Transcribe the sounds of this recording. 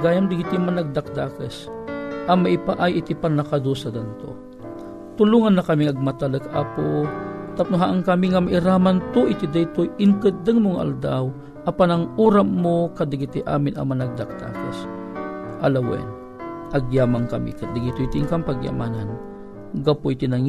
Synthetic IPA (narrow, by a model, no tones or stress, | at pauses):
ɡaːjamd̪ɪɡit̪ɪŋmanaɡ̚d̪ak̚d̪aːkəs | ʔɐmaʔipaʔajʔɪt̪ipanakad̪osɐd̪ant̪o̰ | t̪ʊluːŋanːɐkɐmiŋɐɡ̚mat̪aləkaʔapot̪ap̚nuɦaʔaŋkamiŋamaʔiɾaːmant̪oʔɪt̪id̪ajt̪ojʔɪŋkɨd̪əŋmoŋaʔa̰ld̪aw | ʔɐpanɐŋuːɾapmokad̪ɪɡit̪ɪʔa̰ːmɪna̰manaɡ̚d̪ak̚d̪̥a̰ːkə̰s | ʔɐlawɛ̰n | ʔɐɡjaːmaŋkɐmḭkɐd̪ɪɡit̪ʊit̪ɪŋkaŋpaɡja̰maːnan | ɡapoʔit̪inaŋ